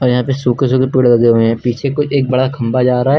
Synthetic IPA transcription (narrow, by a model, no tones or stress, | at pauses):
ɔːɾjɐɦãpesuːkes̬uːkepiːɽlɐɡeɦʊeɦɛ̃ːpiːt͡ʃʰekʊt͡ʃʰeːk̚bɐɽakʰɐ̃mbad͡ʒaːɾaaɦɛː